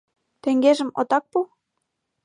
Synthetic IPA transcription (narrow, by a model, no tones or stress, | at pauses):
t̪eŋɡeʒə̆mo̰t̪ɑk̚pu